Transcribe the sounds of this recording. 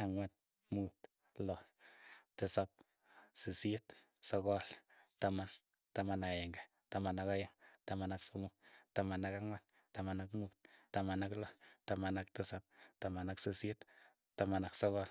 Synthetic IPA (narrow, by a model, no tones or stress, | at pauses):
aŋwat̪̚ | mut | lɔ | tɪsap̚ | sisit | sɔkɔltaman | tamanaɛŋɡa | tamanakajaŋtamanaksomuktamanakaŋwat̚ | tamanakmut̪̚tamanaklɔtamanaktɪsap̚tamanaksisit | tamanaksɔkɔl